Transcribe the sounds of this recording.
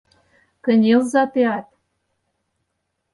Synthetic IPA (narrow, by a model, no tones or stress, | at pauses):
kə̆nʲelzɑt̪eɑt̪̚